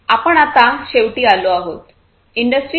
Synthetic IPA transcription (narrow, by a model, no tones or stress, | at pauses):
apəɳat̪aɕeʋʈiːaloaɦot̪ | iɳɖəsʈɾi